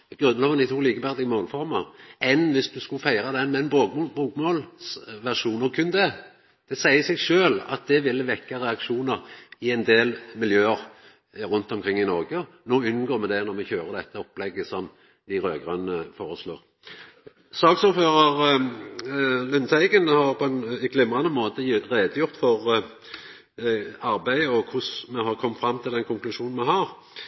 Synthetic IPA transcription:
ɡ̥ʁʉnːlɑːʋənd̪ɪt̪ʰuːliːkəbæʁd̪ɪɡəmoːlfɔʁmɑɛnʋɪsd̪ʉskʉfæɪʁɑd̪ɛnmɛɛnboːɡbuːkmoːlsʋæʁʂuːnɔkʰʉnd̪ə | d̪̥ɛsæɪəsɛɡʂøːlɑ̰t̪̚d̪ɛʋɪlːəʋɛkːɑʁɛɑkʂuːnəʁɪɛnd̪eːlmɪljøːəʁ | ɾʉnt̪ɔmkʰʁɪŋːɪnɔʁɡə | noːʉnːɡoːmɛd̪ɛnɔʁmɛçøːʁəd̪ɛt̪ːəɔpːlɛɡːəsɔm | d̪ɪʁøːɡʁœnəfoːʁəslo̰ːʁ | sɑːksuːføːʁɑʁ | lʏnsæɪɡənhɑʁpʰɔɛnɡlɪmʁɑnəmoːt̪əʁeːd̪əjʊʁt̪fɔʁ | ɑɾbæɪəɔkʰʊsmɛhɑʁkʰɔmt̪fɾɑmːt̪ʰɪld̪ɛnkʰʊŋklʉʂuːnn̩mɛɦɑʁ

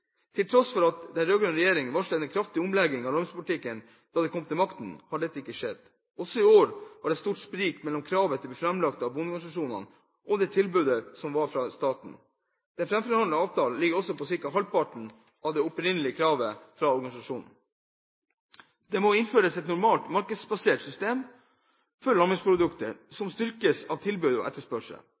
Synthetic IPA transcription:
t̪ʰɪlt̪ʰɾɔsfɔɾɑt̪d̪ɛnɾøːɡɾønɾɛjeːɾɪŋənʋɑʂlɛɛnkʰɾɑft̪ɪʊmlɛɡɪŋɑʋlɔɾmspʰʊlɪt̪ɪkːən | d̪̥ɑːd̪ɛkʰɔmt̪ʰɪlmɑkt̪n̩hɑɖɛt̪ːəɪkːəʂɛd̪ | ɔsːɔɪoːɾʋɑɖɛst̪uːʈspɾiːkmɛlːɔmkʰɾɑːʋət̪ʰɪbiːfɾɑmlɑkt̪ɑʋbʊnɔɾɡɑsɑʂuːnɑ̰n | ʔɔd̪ɛːt̪ʰɪlbʉːd̪əsɔmʋɑɾfɾɑst̪ɑːʈɳ̩ | d̪̥ɛnfɾɛmfɔɾɑnəɑːʋt̪ɑːl̩lɪɡəɾɔsɔpʰɔsɪɾkɑɦɑlpɑʈɳ̩ | ɑʋd̪ɛʊpɾɪnəlɪəkʰɾɑːʋəfɾɑɔɾɡɑnɪsɑʂuːnn̩ | d̪ɛmɔɪnføːɾəsɛt̪nʊɾmɑːlt̪mɑɾkəd̪sbɑseːʈsʏst̪eːm | fɔɭɑmɪŋspʰɾʊd̪ʉkt̪əɾsɔmst̪ʏɾkəsɑʋt̪ʰɪlbʉːd̪ɔ̰ʔɛ̰t̪ːəʂpœʂə̰

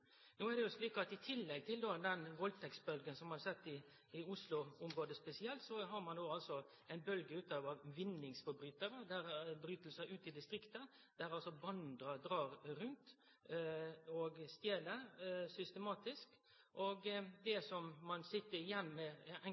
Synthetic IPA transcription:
noːæd̪ɛjʊsliːkɑt̪ɪt̪ʰɪlːɛɡ̚t̪ʰɪld̪oːd̪ɛnʋɔlt̪ʰɛksbœlɡənsɔmɑnɑsɛt̪ːɪ | ɪʊslʊʊmɾoːd̪əspɛsɪɛlt̪sɔɦɑɾmɑnd̪oːɑlsɔ | æɪnbœlɡəʉːt̪ɑʋɑʋɪnːɪŋsfɔɾbɾyːt̪əɾəd̪æɾbɾyːt̪əlsæɪʔʉːt̪ɪd̪ɪst̪ɾɪkt̪ə | d̪̥æɾɑlsɔbɑnd̪ɾɑd̪ɾɑːɾɾʉnt̪ | ɔɡst̪jeːləɾsʏst̪ɛmɑːt̪ɪsk | ʔoɡd̪ɛsɔmːɑnsɪt̪ːəɾɪjɛnːmɛɛ

